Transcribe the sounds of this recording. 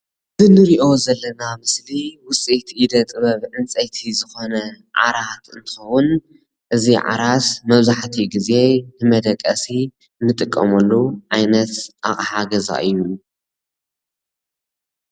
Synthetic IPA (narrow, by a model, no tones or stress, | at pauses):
zɨnɨɾiʔo̞zɐlːɐnamɨsliwʊt͡sʼit̪ʰʔid̪ɐt̪ʼɨβɐβʕɨnt͡sʼɐjt̪ʰizɨxo̞nɐ | ʕa̰ɾat̪ɨnt̪ʰɨ̥xɐwʊn | ʔɨziʕa̰ɾasmɐβzaħt̪ʰiɡize̞nɨmɐd̪ɐkʼːɐsi | nɨt̪ʼɨkʼːɐ̰mɐlːuʕajnɐt̪ʔaχʼɐħaɡɐza̰ʔɨjːu